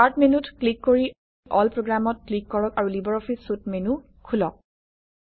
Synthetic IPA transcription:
aɹtʰmenutklikːoɹi | ʔɔlpɹoɡɹamɔt̚klikːɔɹɔkaɹulibɔɹɔpʰisut̚menu | kʰulɔk̚

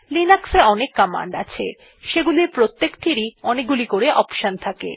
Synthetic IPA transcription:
linakseɾɔnekːama̰ɳɖa̰t͡ɕʰḛ | ʃeɡuliɾpɾot̪ːekʈʰiɾiɔnek̚ɡulikoɾeʔɔpʃont̪ʰakḛ

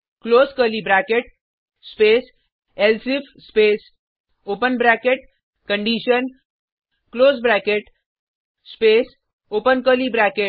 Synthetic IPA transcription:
kloːskəlibɾaːkeʈ | speːs | elsipʰspeːs | opənbɾakeʈ̚ | kəɳɖiʃən | kloːsbɾakeʈ | speːs | opənkəlibɾake

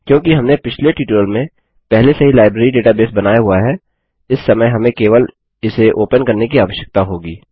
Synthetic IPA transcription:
kjõːkiɦɐmnepɪt͡ʃʰleʈiːʈəlmẽ | pɛɦlesɐɦilaːɪbɾeːɾiɖeːʈabeːsbɐnaːjaɦuaɦɛː | ɪsːɐməjɦɐmẽkeːʋəl | ɪseʔoːpənkɐɾnekiaːʋəʃjək̚t̪aɦoːɡiː

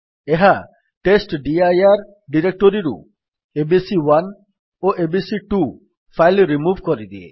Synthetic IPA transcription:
eɦa | ʈesʈɖiajaɾ | ɖiɾek̚ʈoɾiɾṵ | ebisiwan | oʔebisiʈu | fʰajlɾimuvkɔɾid̪iḛ

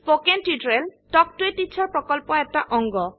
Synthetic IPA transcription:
pokentidɹeltɔk̚tuetit͡ʃʰːaɹpɹɔkɔlpɔɛtaʔɔŋɡɔ

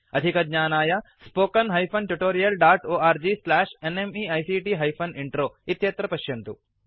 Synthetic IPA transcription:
ɐd̪ʱikɐd̪ɲaːnaːjɐspoːkɐnɦɐjpʰɐnʈjuʈoːɾijɐlɖaːʈoːaːɾd͡ʒiːslaːʂenemiɐjsiːʈiːɦɐjpʰɐniɳʈɾoːit̪jɐt̪ɾɐpɐʃjɐnt̪ṵ

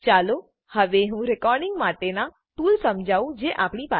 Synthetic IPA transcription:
t͡ʃaːlo | həʋeɦũɾekɔːɾɖɪ̃ŋɡmaːʈena | t̪uːlsəmd͡ʒʱaːũd͡ʒeʔaːpɳ̃ipa

